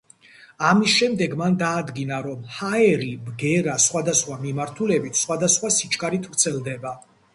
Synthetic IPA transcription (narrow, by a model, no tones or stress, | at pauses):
amisʃɛmd̪ɛɡmand̪aːd̪ɡinaɾɔmhaɛɾibɡɛɾasχwad̪asχwamimaɾt̪ʰulɛbit̪ʰsχwad̪asχwasit͡ʃʰʼkʼaɾit̪ʰvɾt̪sʰɛlˠd̪ɛba